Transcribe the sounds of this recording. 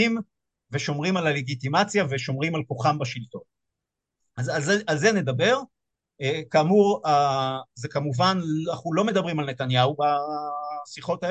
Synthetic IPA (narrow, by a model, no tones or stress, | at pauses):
im | ve̞ʃo̞mʁimalale̞ɡit̪imat͡sjave̞ʃo̞mʁimalko̞χambaʃilt̪o̞n | azalzealzene̞d̪abe̞ʁ | ekamuʁazekamuvanaχulo̞me̞d̪abʁimalne̞t̪anjauba | siχo̞tae